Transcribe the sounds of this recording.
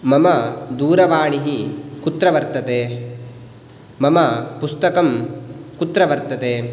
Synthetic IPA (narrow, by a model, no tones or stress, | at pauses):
mɐmɐd̪uːɾɐʋaːɳiɦikut̪ɾɐʋɐɾt̪ɐt̪eː | mɐmɐpust̪ɐkɐmkut̪ɾɐʋɐɾt̪ɐt̪eː